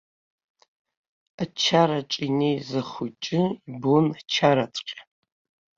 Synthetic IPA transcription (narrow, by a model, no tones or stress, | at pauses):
at͡ʃʰaɾaʈ͡ʂʼinejzaχʊt͡ʃʼɪibont͡ʃʰaɾat͡sʷʼqʲʼa